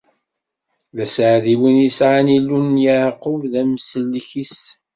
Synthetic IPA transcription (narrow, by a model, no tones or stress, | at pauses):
læsʕðiwinjisʕanilːunjaʕqʊlðæmsəlːçis